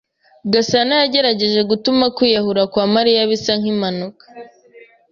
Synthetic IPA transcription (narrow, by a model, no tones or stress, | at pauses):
ɡasanajaɟe̞ɾaɟe̞ʒe̞ɡutumakwiːjahuɾakwaːmaɾijaβisaŋ̥imanukḁ